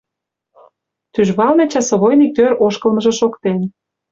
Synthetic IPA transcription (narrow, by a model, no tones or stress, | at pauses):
t̪yʒβɑlnet͡ɕɑsŏβojnik̚t̪øɾʔoʃkɤ̆lmə̆ʒɤ̆ʃokt̪en